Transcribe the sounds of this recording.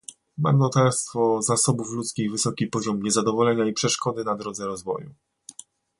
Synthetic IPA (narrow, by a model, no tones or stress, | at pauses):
ma̰mnɔt̪aɾst̪fɔzasɔbuflut̪skʲiɣvɘsɔkʲipɔʑɔmɲɛzad̪ɔvɔlɛɲaipʂɛʂkɔd̪ɘnad̪ɾɔd̪zɛɾɔzvɔ̰ju